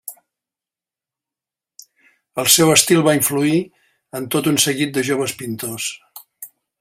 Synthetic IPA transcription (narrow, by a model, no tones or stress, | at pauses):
əlˠsɛwəst̪ilˠβaiɱflui | ənt̪ot̪unsəɣit̪̚d̪əʒoβ̞əspint̪os